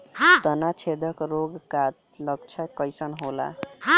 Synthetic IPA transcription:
ɦãt̪ʌnat͡ʃʰed̪ʱəkɾoɡkat | lʌɡt͡ʃʰəkʌjsənɦola̰ɦ

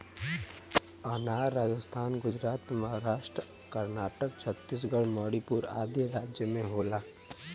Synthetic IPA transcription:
anaːɾːaːd͡ʒəst̪ʰaːnɡʊd͡ʒɾaːt̪məɦaɾaːʃʈɾə | kəɾnaːʈəkt͡ʃʰət̪ːis̬ɡəɭmɔːɽipuːɾa̰ːd̪jəɾaːd͡ʒjəmẽɦoːlaː

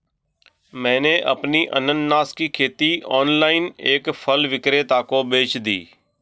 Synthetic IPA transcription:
mɛ̃ːneʔə̰pniʔə̰nənːaːskiːkʰeːt̪iɔːnlaːɪneːkpʰəlʋɪkɾeːt̪aːkobeːt͡ʃd̪ḭː

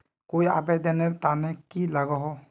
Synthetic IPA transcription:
kojapɛd̪ɛnɛɾt̪anɛkilaɡɔɦɔ

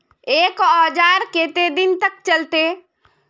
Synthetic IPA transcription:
eːkɔːd͡ʒaːɾkeːt̪ed̪ɪnt̪ək̚t͡ʃəlt̪e

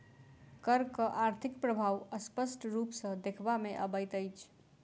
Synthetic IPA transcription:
kəɾkəʔaɾt̪ʰikpɾəbʱaʋəspəsʈɾupsə̃d̪ekʰbameʔəbəjt̪əjt͡ʃʰ

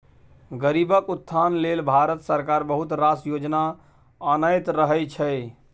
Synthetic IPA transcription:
ɡəɾibəkut̪ʰːanlelbʱaɾət̪səɾkaɾbəɦut̪ɾasjod͡ʒna | ənəjt̪ɾəɦɛt͡ʃʰəj

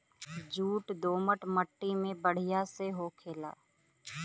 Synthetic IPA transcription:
d͡ʒuːʈd̪oːməʈməʈːimẽbəɽ̤ɪjaseɦokʰeːla̰ː

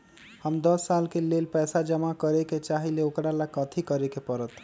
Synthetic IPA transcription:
həmd̪əsːalkelelpɛsad͡ʒəmakəɾeket͡ʃaɦileokɾalakət̪ʰikəɾekepəɾət̪

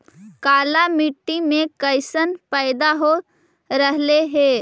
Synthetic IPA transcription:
kaːlamiʈːimẽkəɪsənpəɪd̪aɦo | ɾəɦleɦe

